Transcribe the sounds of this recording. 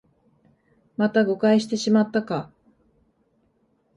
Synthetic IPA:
mat̪aɡo̞kaiɕi̥t̪e̞ɕimat̪ːaka

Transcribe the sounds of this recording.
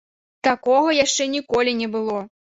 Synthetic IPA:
t̪akɔɣɐjaʂt͡ʂɛnʲikɔlʲinʲɛbɨlˠɔ

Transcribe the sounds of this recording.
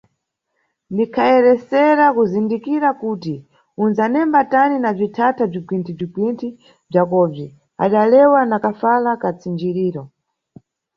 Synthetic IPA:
ndikʰaɛɾɛsɛɾakuzindikiɾakuti | unzanɛmbataninab͡ʐitʰatʰab͡ʐikwintʰib͡ʐiɡwintʰi | b͡ʐakɔvi | a̰ɗalɛwanakafalakat͡sind͡ʒiɾiːɾɔ

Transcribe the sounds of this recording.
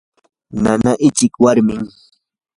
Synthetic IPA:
nanaʔɪt͡ʃɪkwaɾmɪŋ

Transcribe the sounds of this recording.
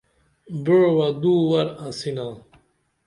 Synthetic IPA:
biɻwad̪uːwɐɾasina

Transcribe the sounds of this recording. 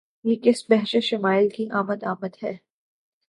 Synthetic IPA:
jeːkɪsbɛɦʃeʃɪmaːɪlkiʔaːməd̪aːməd̪ɦɛː

